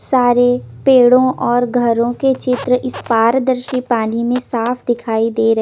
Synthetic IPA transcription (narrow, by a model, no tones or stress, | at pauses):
saːɾe | peːɽõʔɔːɾɡʱɐɾõket͡ʃɪt̪ɾəʔɪspaːɾd̪əɾʃipaːnimẽsaːfʰd̪ɪkʰaːid̪eːɾɐ